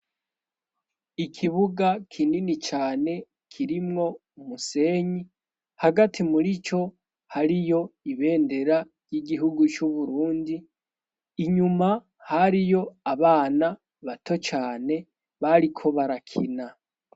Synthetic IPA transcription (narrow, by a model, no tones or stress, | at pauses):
ikʰiβuɡakʰininit͡ʃaːne̞ | kʰiɾimŋo̞ | umuse̞ːɲi | haɡatʰimuɾit͡ʃo̞ | haɾijo̞iβe̞ːnde̞ɾa | ɾjiɡiɦuɡut͡ʃuβuɾuːndiː | ɲuma | haɾijo̞aβaːna | βatʰo̞t͡ʃaːne̞ | βaɾikʰo̞βaɾakʰina